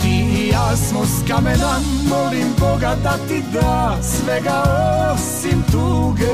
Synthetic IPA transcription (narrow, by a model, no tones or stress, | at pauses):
t̪iasmoskamenamɔɾimpɔɡad̪at̪ːid̪asvɛɡasint̪uɡ